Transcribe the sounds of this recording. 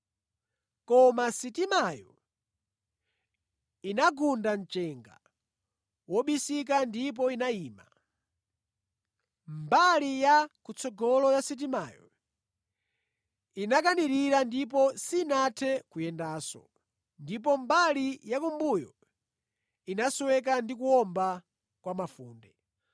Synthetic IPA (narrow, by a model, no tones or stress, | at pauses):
kɔmasitimajɔ | inaɡundan̩t͡ʃɛŋɡa̰ | wɔɓisik̬andip̬ɔinaiːma | mbalijakut͡sɔɡɔlɔjasit̬imaːjɔ̰ | inak̬aniɾiɾandip̬ɔsinatʰɛkujɛndaːsɔ̰ | ndip̬ɔmbalijakumbujɔ | inaswɛk̬andikuɔmba | kwamafuːndɛ